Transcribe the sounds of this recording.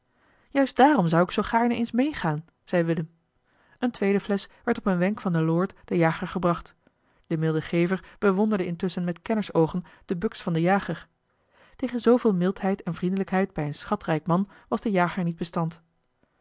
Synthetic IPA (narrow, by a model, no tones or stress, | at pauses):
jœɥst̚d̥aːrɔmzʌwɪksowχaːɹnəejnsmejχaːn | z̥ɛjʋɪləm | əntʋejdəflɛsʋɛɹtɔpənʋɛŋkfɑndəlʊːɹtd̥əjaːχəɹχəbrɑχt | d̥əmɪlˠdəχejvəɹb̥əʋɔndəɹdəɪntɵsənmɛtkɛnəsowχənd̥əbɵksfɑndəjaːχəɹ | tejχənzowvɪːlˠmɪlˠtɦɛjtɛnvrindələkɦɛjd̚bɛjənsχɑtrɛjkmɑn | ʋɑzdəjaːχəɹnid̚bəstɑnt